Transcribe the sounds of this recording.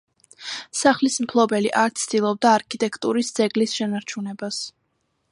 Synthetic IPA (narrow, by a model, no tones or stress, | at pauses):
saχlismpʰlˠɔbɛliʔaɾt̪sʰd̪ilˠɔb̚d̪aːɾkʰit̪ʼɛkʰt̪ʼuɾisd̪z̥ɛɡlisʃɛnaɾt͡ʃʰunɛbas